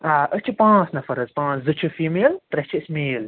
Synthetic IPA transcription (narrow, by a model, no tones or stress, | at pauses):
aʔət͡ʃʰɨpãːsnɐfɐɾɐzpãːszɨt͡ʃʰɨfiːmeːlt̪ɾɛt͡ʃʰiəsmeːl